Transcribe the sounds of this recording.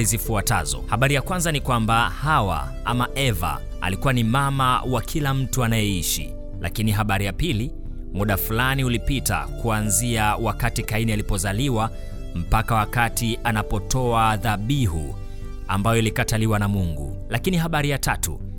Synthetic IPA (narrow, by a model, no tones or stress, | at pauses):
izifuata̰zɔ̰haɓaɾijakwanzanikwambahawa̰ | amaʔɛva̰ | a̰likuwanimama̰wakʰilam̩tuanajɛiʃḭ | la̰kiniɦaɓaɾijapili | muɗafulaniulipita̰kuanziawakatikainialipɔzaliwa | m̩pakawakatianapɔtɔaðaɓiɦṵ | a̰mbajɔilikataliwanamuŋɡṵ | lakiniɦaɓaɾijatatṵ